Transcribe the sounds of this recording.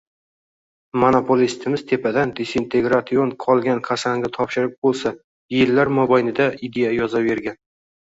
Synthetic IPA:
monopʰolist̪ʰɪmɪz̥t̪ʰe̞pʰad̪and̪esint̪ʰe̞ɡɾat̪sionqʰɒlˠɡʲankʰasaŋɡʲɪt̪ʰɒpʃɪɾɪp̚bolˠsa | jelːaɾmɒbajnɪd̪aɪd̪e̞jajɒzave̞ɾɡʲan

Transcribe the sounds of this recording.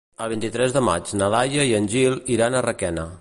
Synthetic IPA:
əlˠβint̪it̪ɾɛzðəma̰t͡ʃnəlajəiənʲʒilˠiɾanərəkɛnə

